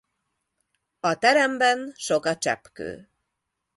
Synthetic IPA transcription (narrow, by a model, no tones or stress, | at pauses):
ɒt̪ɛɾɛmbɛnʃo̞kɒt͡ʃɛ̰pkø̰ː